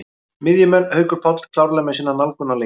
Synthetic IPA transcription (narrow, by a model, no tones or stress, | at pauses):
mɪðjʏmɛnːhœːɥkʏɾ̥pʰɔt̪lkʰlawɾlɛmɛsiːnːanalkʏnale